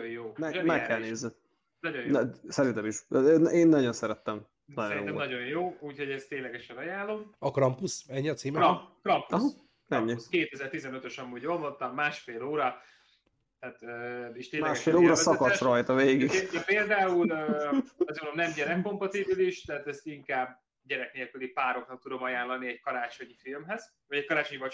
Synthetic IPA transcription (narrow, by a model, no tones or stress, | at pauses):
ojjoːmɛmɛkːɛlneːzɛ | nɒɟonsɛɾint̪ɛmiʃnʔeːnːɒɟo̞nsɛɾɛt̪ːɛm | nɒo̰jo̰ɛnɒɟo̞jjoːuːcho̞ɟɛst̪eːɲlɛɡɛʃɛnɒjaːlːo̞mɒkrɒmpusɛɲːiɒt̪siːmɛkɾɒmpuɒɦɑ | nɛmɲiuskeːt̪ɛzɛrt̪izɛnøt̪øʃɒmːuːɟolvont̪ɒmːaːʃfeːloːɾɒ | t̪aːt̪øːeʃt̪eːɲmɛaːɛʃeːloːɾɒsɒkɒsrɒjt̪ɒveːɡiɡɛpeːld̪aːulløːɒzombnd̪omnɛmɟɛɾɛkːo̞mpɒt̪ibiliʃt̪ɛɦat̪ɛst̪iŋkaːbː | ɟɛɾɛkneːlkylipaːɾo̞knɒk̚t̪ud̪o̞mɒjaːnlɒniɛɟkɒɾaːt͡ʃo̞ɲifilmɦɛz̥ | vɒɟɛc̚kɒɾaːt͡ʃoɲvɒ